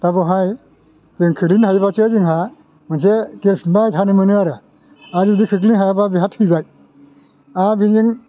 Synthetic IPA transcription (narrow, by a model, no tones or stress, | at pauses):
tabɔɦaj | zɯŋkʰɯklinhajbasezɯŋɦa | mɯns̬ekelpʰinbajtʰanɯmɯnɯaɾɯ | azudikʰɯklinɦajababiɦathɯjbaj | abiniŋ